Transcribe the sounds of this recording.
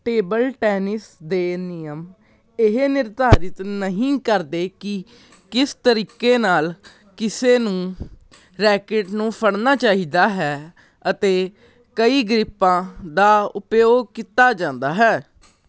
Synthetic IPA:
ʈeːbəlʈɛːnɪsd̪eːnɪjəm | ɪɦenɪɾd̪ʱaːɾɪt̪nəɦĩːkəɾd̪eːkɪ | kɪst̪əɾiːkeːnaːl | kɪseːnũː | ɾɛːkeʈnũːpʰəɽnaːt͡ʃaːɦiːd̪aːɦɛː | ət̪eː | kəiːɡɾɪpːãːd̪aːʊpjoːɡ̚kit̪aːd͡ʒãːnd̪aːɦɛː

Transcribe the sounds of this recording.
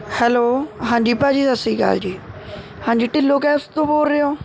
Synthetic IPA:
hɛːloːɦãːɲd͡ʒiːpaːd͡ʒiːsəsiːɡə̰ld͡ʒiː | hãːɲd͡ʒiːʈɪlːoːkɛːst̪õːpoːlɾeːõː

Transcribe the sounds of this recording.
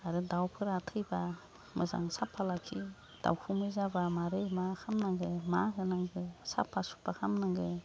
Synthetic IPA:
aɾɯdawpʰɯɾatʰɯjba | mɯza̰ŋsapʰalakʰi | d̥a̰wkʰumɯzabamaɾɯjmakʰamnaŋɡɯmaɡɯnaŋɡɯsa̰pʰːasu̥pakʰamnaŋɡɯ

